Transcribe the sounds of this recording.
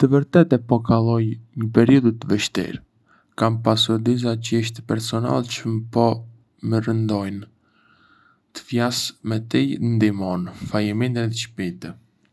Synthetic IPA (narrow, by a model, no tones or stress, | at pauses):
t̪əvəɾt̪ɛt̪ɛpɔkalˠɔjɲəpɛɾiud̪t̪əvɛʃt̪ḭɾ | kampasuɾd̪is̬at͡ʃiʃ̬t̪ɛpɛɾsɔna̰lˠt͡ʃəmpɔ | mərənd̪ɔjn | t̪ə̥fjasmɛt̪ijnd̪imɔnfajəmind̪ɾɛt̪əʃpit̪ɛ